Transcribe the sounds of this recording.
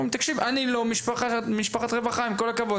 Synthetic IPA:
met̪akʃivanilomiʃpaχamiʃpaχat̪ʁevaχaimko̞lakavo

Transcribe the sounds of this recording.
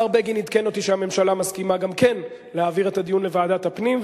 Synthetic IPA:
aʁbeɡinid̪keno̞t̪iʃehamemʃalamaskimaɡamke̞n | lehaːviʁe̞tad̪ijunle̞vaːdat̪hapnim

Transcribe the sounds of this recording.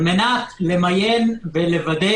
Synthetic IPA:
menat̪lemajenvelevad̪e

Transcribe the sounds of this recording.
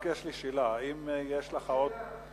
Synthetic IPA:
kjeʃliʃilaimjeʃlaχaot̪̚

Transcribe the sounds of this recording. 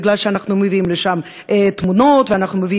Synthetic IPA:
ɡlalʃeanaχnumeviimleʃam | ʔet̪muno̞t̪veanaχnumevi

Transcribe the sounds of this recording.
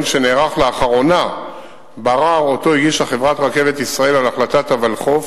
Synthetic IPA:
nʃe̞neːʁaχleaχaʁo̞na | baʁaʁo̞to̞iɡiʃaχevʁat̪ʁake̞vet̪isʁae̞lalaχlat̪at̪havalχo̞f

